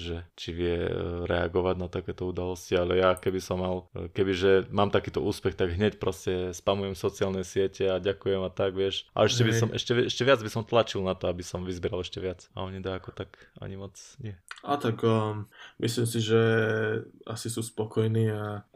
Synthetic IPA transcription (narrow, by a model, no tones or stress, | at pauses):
ʒɛt͡ʃiʋɪɛɾɛaɡɔʋaɟnat̪akɛːt̪ɔud̪alɔscialɛjakɛbisɔmːalkɛbiʒɛmaːmt̪akiːt̪ɔuːspɛxt̪aɡɦɲɛcpɾɔscɛspamujɛmsɔt͡siɪaːlnɛsɪɛcɛaɟakujɛmat̪aɡʋɪɛʃa̰ɛʃcɛbisɔmʔɛ̰ʃcɛɛʃcɛʋad͡zbisɔmt̪lat͡ʃilnat̪ɔabisɔmʋizbɪɛɾalɛʃcɛʋɪat͡sa̰ɔɲid̪aakɔt̪aka̰ɲimɔt͡sɲɪɛat̪akː | mʔislimsiʒɛ | a̰sisuspɔkɔjniːa